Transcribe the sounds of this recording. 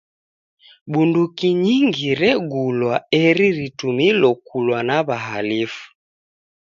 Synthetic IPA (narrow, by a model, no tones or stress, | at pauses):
ɓundukiɲiŋɡiɾɛɡulwaɛɾiɾitumilɔkulwanaβaɦalifu̥